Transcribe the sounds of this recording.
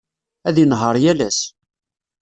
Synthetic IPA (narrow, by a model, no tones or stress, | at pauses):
æðjənɦəɾˤjælæs